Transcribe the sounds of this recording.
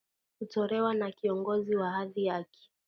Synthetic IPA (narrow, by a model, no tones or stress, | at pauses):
hutɔɾɛwanakiɔŋɡɔziwaɦaðijaki̥